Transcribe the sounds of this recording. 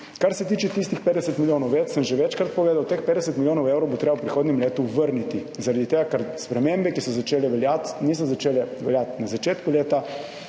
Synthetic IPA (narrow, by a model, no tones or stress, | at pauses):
kaɾsɛt̪iːt͡ʃɛt̪ist̪ixpeːd̪ɛsət̪miljoːnɔwjeːt̪səmʒɛʋɛt͡ʃkɾat̪̚pɔɡleːd̪awt̪expeːd̪ɛsət̪miljoːnɔwewɾɔwbɔt̪ɾeːbawpɾixoːd̪nɛmleːt̪uʋəɾnit̪izaɾad̪it̪eːɡakaɾspɾɛmembɛkisɔzat͡ʃeːlɛʋɛljat̪nisɔzat͡ʃeːlɛʋɛljat̪nazat͡ʃeːt̪kuleːt̪a